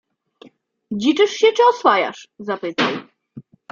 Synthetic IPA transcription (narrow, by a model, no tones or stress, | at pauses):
d͡ʑit͡ʂɘʂɕɛt͡ʂɘɔswaja̰ʂzapɘt̪aw